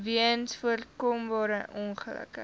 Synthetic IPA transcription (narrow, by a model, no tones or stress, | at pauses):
viənsfuərkɔmbɑːɾəʔɔnχələ̰kə